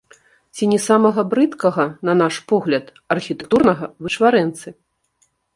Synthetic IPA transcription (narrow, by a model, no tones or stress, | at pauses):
t͡sʲinʲɛsamɐɣɐbɾɨt̪kɐɣɐnɐnaʂpɔɣlʲɐt̪ | ɐrxʲit̪ɛk̚t̪urnɐɣɐvɨt͡ʂvaɾɛnt̪sɨ